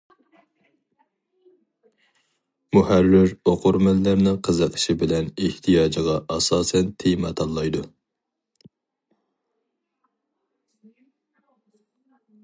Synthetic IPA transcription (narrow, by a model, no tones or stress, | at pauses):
muhærːɪɾoqʰʊɾmælːæɾnɪqʰəzəqʰə̥ʃibɪlɛneht̪ʰijɑːd͡ʒʁɑʔɑsɑːsɛnt̪ʰejmɑt̪ʰɑlˠːɑjd̪u